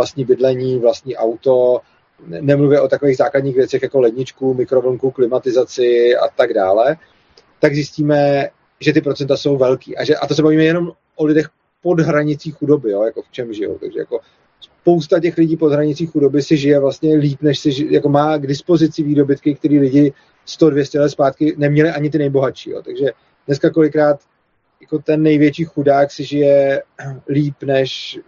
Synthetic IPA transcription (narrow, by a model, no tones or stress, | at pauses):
last̪ɲiːbɪdlɛɲiːvlast̪ɲiːʔawt̪o̞ | nɛmluvjɛʔo̞t̪akovejɣzaːkladɲiːxvjɛt͡sɛxjako̞lɛdɲɪt͡ʃkumɪkɾovl̩ŋkuklɪmat̪ɪzat͡sɪa̰t̪aɡda̰ːlɛ | t̪aɡzɪsciːmɛ | ʒɛt̪ɪpɾo̞t͡sɛnt̪aso̞wvɛlkḭːʔa̰ʒɛʔa̰t̪os̬ɛbaviːmɛjɛno̞m | ʔolɪdɛx | po̞dɦɾaɲɪt͡siːxudo̞bɪjojako̞ft͡ʃɛmʒɪjo̰wt̪a̰ɡʒɛ̰ja̰ko̞ | spo̞wst̪acɛxlɪɟiːpodɦɾaɲɪt͡siːxudo̞bɪsɪʒɪjɛvlast̪ɲɛliːpnɛʃsɪjakomaːɡdɪspo̞zɪt͡sɪviːdo̞bɪt̪kɪk̚t̪ɛɾiːlɪɟɪ | st̪odvjɛscɛlɛt̪spaːt̪kɪnɛmɲɛlɪʔaɲɪt̪ɪnɛjbo̞ɦaʃḭːjo̰t̪aɡʒɛ | dnɛskako̞lɪkɾaːt̪ | jako̞t̪ɛnːɛjvjɛt͡ʃiːxudaːksɪʒɪjɛ | liːpnɛʃ